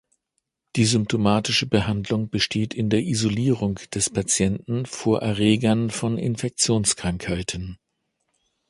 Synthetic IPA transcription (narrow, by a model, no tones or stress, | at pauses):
d̥iːzʏmp̚tʰomaːtɪʃəbəɦandlʊŋb̥əʃtʰeːtʰɪndeːɐʔizoliːʁ̞ʊŋd̥ɛspʰat͡sjɛntn̩foːɐʔɛɐʁeːɡɐnfɔnʔɪ̰nfɛk̚t͡sjoːnskʁ̥aŋkhaɪtʰən